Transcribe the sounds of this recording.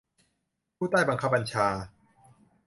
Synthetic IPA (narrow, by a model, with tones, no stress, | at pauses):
pʰuː˥˩t̪aː˥˩jba˧ŋkʰa˦˥p̚ba˧nt͡ɕʰaː˧